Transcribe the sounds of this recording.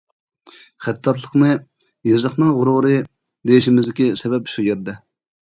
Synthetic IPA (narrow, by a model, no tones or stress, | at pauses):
χæt̪ʰːɑt̪lˠəqnɨ | jɑzəχnɨŋʁʊɾʁʊɾɨ | d̪ejiʃimɪzlɪkʲisɛbɛpʃujeɾd̪ɛ